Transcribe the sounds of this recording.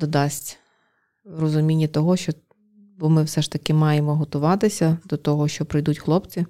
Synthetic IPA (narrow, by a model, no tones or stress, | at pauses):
d̪ɔd̪ɑsʲtʲ | rɔzʊmʲinʲːɐt̪ɔɦɔʃt͡ʃɔ | bɔmɪwsɛʃt̪ɐkɪmɑjemɔɦɔt̪ʊʋɑt̪ɪsʲɐd̪ɔt̪ɔɦɔʃt͡ʃɔpɾɪjd̪utʲxlˠɔpt͡sʲi